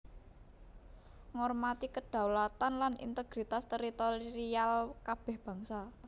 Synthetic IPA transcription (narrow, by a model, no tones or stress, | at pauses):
ŋɔrmat̪ikəɖ̪̥a̤wlat̪anlanḭnt̪əɡ̥ɾit̪ast̪əɾit̪oɾɾialkab̥ɛ̤hb̥ä̤ŋsa